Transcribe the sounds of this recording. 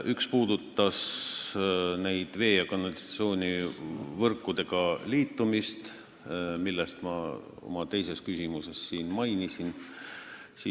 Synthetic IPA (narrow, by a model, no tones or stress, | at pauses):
ʔykspuːd̪̥ut̪ːɑs | ne̞jd̪̥ve̞ːjɑkɑnɑlit̪sio̞ːnʲivɤrkːˑud̪̥e̞ɡ̥ɑliːt̪ːumist̪ | milːest̪mɑ̰ | o̞̰mɑt̪e̞jse̞skysimuse̞sːiːnmɑjnisin | si